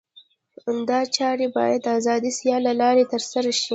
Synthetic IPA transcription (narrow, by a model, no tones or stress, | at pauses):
and̪ɑt͡ʃɑɾebɑ̰jad̪azɑd̪isjɑlːalɑɾet̪əɾsaɾaʃi